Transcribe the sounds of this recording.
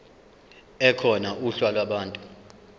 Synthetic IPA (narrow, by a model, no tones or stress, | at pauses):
ɛkʰɔnauɬwalwaɓaːntʼu